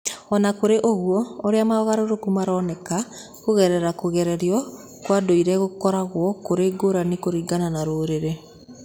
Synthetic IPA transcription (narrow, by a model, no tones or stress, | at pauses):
ɔnakoɾeʔoɣwɔoɾeamaɔɣaɾoɾokumaɾɔnɛka | koɣɛɾɛɾakoɣɛɾɛɾiɔ | kwadoiɾɛɣokɔɾaɣwɔkoɾeːɡoɾanikoɾiːɡananaɾoːɾeɾe